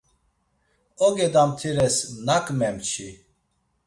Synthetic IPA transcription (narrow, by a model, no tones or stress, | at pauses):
ɔɡɛd̪amt̪ʰiɾɛsnakʼmɛmt͡ʃʰi